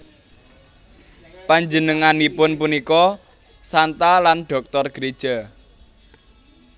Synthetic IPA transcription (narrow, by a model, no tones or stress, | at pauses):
paɲd͡ʒənəŋanipʊnpunikɔ | sant̪alanɖ̥ɔ̤k̚t̪ɔrɡ̥ɾe̥ʒ̥a